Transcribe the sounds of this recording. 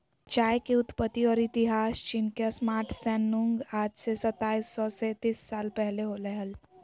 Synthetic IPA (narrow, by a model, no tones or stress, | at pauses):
t͡ʃaːjkiʊt̪pət̪ːiɔːɾɪt̪ɪɦaːst͡ʃɪnkasmaːɾʈʰsɛːnːʊ̃ŋɡaːd͡ʒsesɐt̪ːaːisːɔset̪iːsːaːlpɛɦleɦolɛɦəl